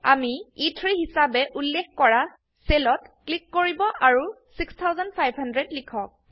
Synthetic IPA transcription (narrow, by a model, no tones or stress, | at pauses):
a̰miitʰɹihisabɛʔulːexkɔɹa | selɔtklikːoɹibɔʔaɹu | sikstʰawzɔndpʰajbʱɦhandɹɛdlikʰɔk̚